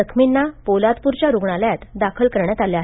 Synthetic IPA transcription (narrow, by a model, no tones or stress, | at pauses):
əkʰminːapolad̪puɾt͡ɕjaɾuɡɳaljat̪d̪akʰəlkəɾɳjat̪aljaːɦe